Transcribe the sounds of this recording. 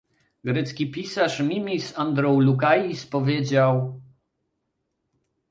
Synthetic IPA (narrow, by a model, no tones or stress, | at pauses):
ɡɾɛt̪skʲipʲisaʂmʲimʲisand̪ɾɔ̃wlukajispɔvʲjed͡ʑaw